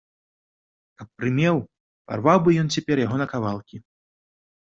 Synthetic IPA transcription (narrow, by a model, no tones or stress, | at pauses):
kɐpːɾɨmʲɛw | pa̰rvawbɨjɔnt͡sʲɛpʲɛrjaɦɔnɐkavalˠkʲi